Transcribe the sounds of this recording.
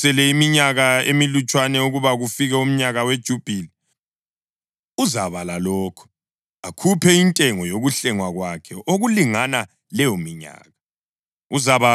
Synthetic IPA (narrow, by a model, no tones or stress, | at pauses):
ɛlɛimiɲaɣaḛmilut͡ʃʼwanɛuɣuβaɣufiɣɛum̩ɲaɣawed̥ʒ̥ʱub̥ʱili | uzaβalalɔːkʰɔ̥ | akʰupʰɛintʼɛŋɔjoɣuɬɛŋwaɣwakʰɛʔoɣuliŋana | lɛjomiɲa̰ːɣa | uzaβa